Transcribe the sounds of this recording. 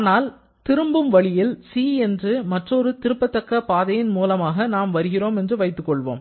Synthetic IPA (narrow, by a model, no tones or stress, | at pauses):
aːnaːl | t̪ɪɾɯmbɯmʋɐɭɪjɪlsiːɛndrɯmɐʈrɔɾɯt̪ɪɾɯpːɐt̪ːɐkːɐpːaːðɐjɪnmuːlɐmaːɣɐnaːmʋɐɾɯɣɪroːmɛndrɯʋɐɪt̪ːɯkːɔɭʋo̰ːm